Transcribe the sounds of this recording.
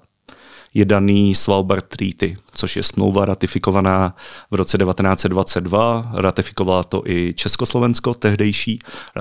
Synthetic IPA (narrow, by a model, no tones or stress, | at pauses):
jɛdaniːsvalwbɛɾt̪ːɾiːt̪ɪt͡so̞ʃjɛ̰smlowvaɾat̪ɪfɪko̞vanaːvɾo̞t͡sɛdɛvat̪ɛnaːt͡sɛd̪dvat͡sɛd̚dvaɾat̪ɪfɪ̥ko̞valat̪o̞̰ʔɪt͡ʃɛskoslo̞vɛnsko̞t̪ɛɦdɛjʃiː